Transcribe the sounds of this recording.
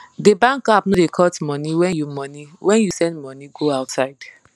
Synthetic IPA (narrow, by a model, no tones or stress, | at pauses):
debãŋkap̚nodekʰɔtmɔniwɛjumɔniwɛ̃njusɛ̃ndmɔniɡoaʊtsaɪd̥